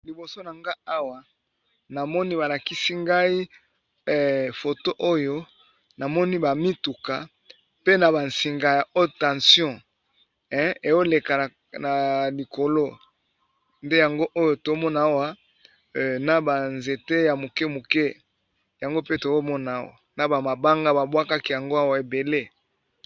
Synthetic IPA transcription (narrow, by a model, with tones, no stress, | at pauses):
li˨bo˨so˦na˨ŋɡa˦a˦wa˨ | na˨mɔ˦ni˦ba˨la˨ki˦si˦ŋɡa˦i˦˨ | fo˨to˦ʔo˦jo˦ | na˨mɔ˦ni˦ba˨mi˦tu˨ka˨ | pe˦na˨ba˨nsi˨ŋɡa˨ja˨o˦tã˨sjɔ̃˦ | ɛ˦e˨jo˦le˨ka˨ | na˨li˨ko˨lo˦ | nde˦ja˨ŋɡo˦ʔo˦jo˨to˨˦mɔ˦na˨a˦wa˦˨ | na˨ba˨nze˨te˦ja˨mo˨kɛ˦mu˨ke˦ | ja˨ŋɡo˦pe˦to˨zo˦mɔ˦na˨˦wa̰˨na˨ba˨ma˨ba˦ŋɡa˦ba˨bwa˦ka˦ki˦ja˨ŋɡo˦a˦wa˨e˨be˨le˦